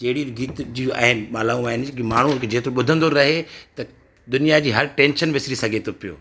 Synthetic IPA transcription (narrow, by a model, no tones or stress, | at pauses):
t͡ɕɐɦɪɽiɡiːt̪d͡ʑiãːɪnɓaːlaːũaːɦɪnɪkimaːɳ̤uʊnkʰed͡ʑeːt̪ɾoɓʊd̪ʱə̃nd̪oɾɐɦet̪ɐ | d̪ʊnijad͡ʑiːɦɐɾʈẽːnʃənʋɪsɾisɐɡʱet̪ʰopijo̰ː